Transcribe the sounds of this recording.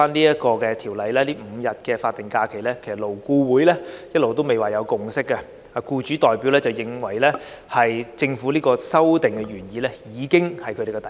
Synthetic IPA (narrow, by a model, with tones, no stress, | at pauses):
aː˥nliː˥jɐ˥t̚kɔː˧kɛː˧t̪ʰiː˨˩wlɐ˨˧jlɛː˥liː˥m̩˨˧jɐ˨t̚kɛː˧faː˧t̚t̪ɪ˨˩ŋkaː˧kʰe˨˩jlɛː˥kʰe˨˩jsɐ˨t̚lo˨˩wkuː˧wuː˨˥jlɛː˥jɐ˥t̚lo˨wt̪o˥wme˨jwaː˨jɐ˨˧wkʊ˨˧ŋsɪ˥kːɐ˧ | aː˨kuː˧t͡ʃyː˨˥t̪ɔː˨jpiː˨˥wlɛː˥t͡sɐ˨˩wjɪ˨ŋwɐ˨˩jlɛː˥ | hɐ˨jt͡sɪ˧ŋfu˨˥liː˥kɔː˧sɐ˥wt̪ɪ˨˩ŋkɛ˧ɥyː˨˩njiː˨˧lɛː˥jiː˨˧kɪ˥ŋhɐ˨jkʰɵ˧ɾe˨˩kːɛ˧t̪ɐ˨